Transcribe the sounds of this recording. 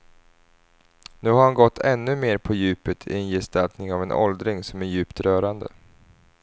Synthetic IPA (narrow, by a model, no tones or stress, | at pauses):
nʉ̟ːhaɾhanɡɔt̪ʰːɛnːɵmeːɾpʰɔjʉ̟ːpət̪ʰɪ̰ɛnjɛst̪alt̪nɪŋavɛnʔɔ̰ld̪ɾɪŋsɔmæɾjʉ̟ːpt̪ɾœːɾand̪ə̰